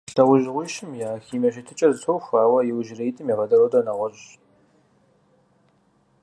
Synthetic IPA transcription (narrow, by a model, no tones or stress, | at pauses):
ɬɐʁʷʊʒʁʷiːʃɪmjaːxiːmɐɕ̬ɪtʰɨt͡ʃʼɐzɨtʰowxʷaːwɐjɪwʒɪrejtʼɨmjiʁɐdɐɾowdɐnɐʁʷɔʑ